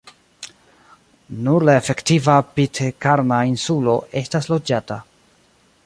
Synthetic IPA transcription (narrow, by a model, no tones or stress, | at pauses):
nuɾlae̞fe̞ktivapitʰekaɾnainsulo̞ʔe̞staslo̞d͡ʒata